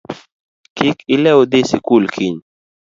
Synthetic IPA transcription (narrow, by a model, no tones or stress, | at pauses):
kikilɛod̪esikulkʰiɲ